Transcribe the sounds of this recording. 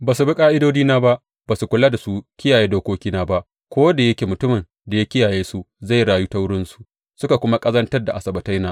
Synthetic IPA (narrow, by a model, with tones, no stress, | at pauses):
baː˨su˨bɪ˦kʼaː˦ʔɪ˦doː˦d͡ʒiː˦naː˦ba˦ʔ | baː˨su˨kʷʊ˦laː˦da˨su˦kʲɪ˦jaː˨jeː˦doː˦kʷoː˦kʲiː˦naː˦ba˦ʔ | kʷoː˦da˨jɐ˦kʲeː˨mʊ˨tʊ˦mɪ˨n | da˨ja˦kʲɪ˦jaː˨jeː˦su˦za˦˨jɽaː˨ju˦ta˦wʊ˦ɽɪ˦nsu̥˨ | sʊ˦ka˨kʷʊ˦ma˦kʼɐ˦zɐ˦ntɐ˦rda˨ʔa˨sɐ˨bɐ˨tɐ˦jnaː˦